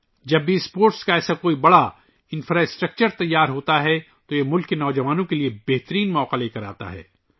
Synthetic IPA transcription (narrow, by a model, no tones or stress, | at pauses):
d͡ʒɐbːispoːɾʈskaɛːsakoːibɐɽa | ɪ̃nfɾaɪsʈɾɐk̚t͡ʃəɾt̪ɐjːaːɾɦoːt̪aɦɛ | t̪ojemʊlkːenɔːd͡ʒɐʋaːnõkeliebɛɦt̪əɾiːnmɔːqaleːkɐɾa̰ːt̪a̰ɦɛ̰ː